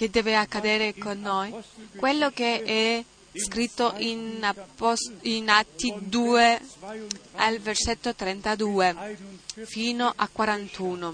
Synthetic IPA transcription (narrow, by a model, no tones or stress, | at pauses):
k̟ed̪ːɛːveakːad̪ɛːɾekonːojkwelːokeɛ | skɾit̪ːoʔinaosinat̪ːid̪uːe | alverset̪ːot̪ɾɛnt̪ad̪uːe | fiːnoʔakwaɾant̪ʰuːno